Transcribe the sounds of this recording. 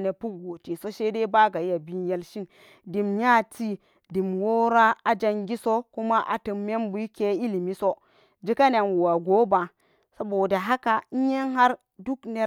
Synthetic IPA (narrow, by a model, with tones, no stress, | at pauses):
ne˨pu˦ɡo˨ti˨so˦ʃe˦de˦ba˦ɡa˨ja˨bi˦n˦je˦lʃi˦n | di˨mɲa˦ti˦ | di˨mwo˦ɾa˦a˨d͡ʒa˦ŋɡʲi˦so˦ku˦ma˦ʔa̰˨tə˨mːe˦mbu˨˦i˦ke˦i˦li˨mi˦so˦ | d͡ʒi˦ka˦ne˨nwu˨wa˨ɡo˨˦ba˨ | sa˦bo˨da˨ɦa˦ka˨n̩˦je˦nɦa˦ɾ | du˦kne˦